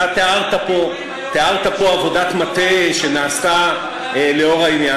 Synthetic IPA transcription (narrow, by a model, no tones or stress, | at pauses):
t̪eaʁt̪apo̞ | t̪eaʁt̪apo̞avo̞dat̪mat̪eʃe̞naːsa | le̞o̞ʁainja